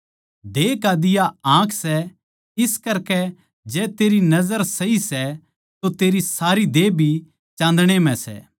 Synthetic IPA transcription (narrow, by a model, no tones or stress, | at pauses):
d̪eːkad̪ɪjaãːkʰsɛ | ɪskɐɾkɛ | d͡ʒɛːt̪eːɾinɐzəɾsɐɦisɛ | t̪ot̪eːɾisaːɾid̪eːbʱi | t͡ʃãːn̆d̪ɽ̃em̤ɛ̃sɛ̰ː